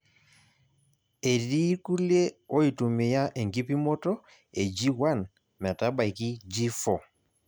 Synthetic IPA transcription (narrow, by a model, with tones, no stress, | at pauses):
e˨ɾi˦ku˦le˦o˦i˨tu˨me˨ja˦ʔe˨ŋɡi˦pi˦mɔ˦tɔ˦ | e˨d͡ʒi˦wa˦˨n | mɛ˨ta˦ba˨jki˦d͡ʒi˦fɔ˨